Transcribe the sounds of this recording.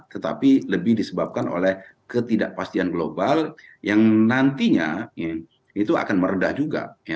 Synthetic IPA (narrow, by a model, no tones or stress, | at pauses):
t̪ət̪a̰piləbɪhdisəbap̚kano̰lɛhkət̪idaʔpast̪ianɡlobaljaŋnant̪iɲa̰ja | it̪ua̰kanməɾədahd͡ʒuɡa̰ja